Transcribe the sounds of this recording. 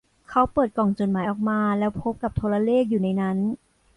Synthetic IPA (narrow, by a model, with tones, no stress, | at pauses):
kʰa˦˥wpɤː˨˩t̪̚kɔː˨˩ŋt͡ɕo˨˩t̚maː˩˦jʔɔː˨˩k̚maː˧lɛː˦˥wpʰo˦˥p̚ka˨˩p̚t̪ʰo˧ɾa˧leː˥˩k̚juː˨˩na˧jna˦˥n